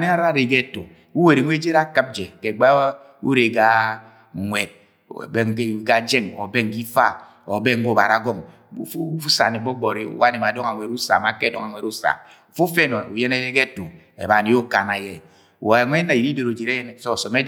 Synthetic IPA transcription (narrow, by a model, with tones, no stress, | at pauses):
ne˦a˦ɾa˦˨ɾe˨ɡe˦to˨ | u˦we˨ɾi˨ŋʷe˦d͡ʒe˦ɾa˦kɨ˦p̚d͡ʒe˨ke˨ɡ͡ba˦ | ṵ˦ɾe˨ɡa˦˨ | ŋʷe˨d̰̚ | be˦ŋe˦˨ɡa˦d͡ʒe˦ŋo̰˨be˦ŋ̩˦ki˦fa˦ | o˨be˦ŋ̩˦ɡo˦˨ba̰˨ɾa˨˦ɡɔ˦˨ŋ | ṵ˦˨fu˦u˦sa̰˨ne˨bɔ˦ɡ͡bɔ˨ɾi˦ṵ˦wa˦ne˨ma˨dɔ˦ŋa˨ŋʷe˨ɾu˦sa̰˨ma˨ke˦˨dɔ˦ŋa˨ŋʷe˨ɾu˦sa̰˨m | u˨fo˦fe˦nɔ˨u˨je˦ne˦ɾe˦ɡe˦to˨ | ḛ˨ba˨ni˨˦o˦ka˨na˨je˨ | a˨ŋʷe˦na˨ji˨di˦do˨ɾo˨d͡ʒe˨ɾe˦je˦n˨so˦˨sɔ˨me˦